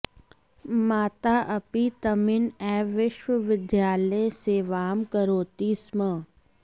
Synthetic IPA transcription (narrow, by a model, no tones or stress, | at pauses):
maːt̪aːʔɐpit̪ɐmɪnɛːʋɪʃʋəʋɪd̪jaːləjseːʋaːmkɐɾoːt̪iːsmə